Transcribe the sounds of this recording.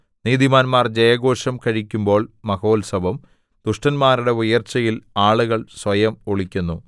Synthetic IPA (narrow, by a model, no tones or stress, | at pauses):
niːðimaːnmaːrd͡ʑɐjɐɣo̞ːʂɐmkɐɻikʲːumbo̞ːɭmɐɣo̞ːlsɐbɐm | d̪̥uʂʈɐnmaːɾuɽe̞ujɐrt͡ɕːɐjilaːɭuɣɐɭsʋɐjɐmoɭikʲːunːu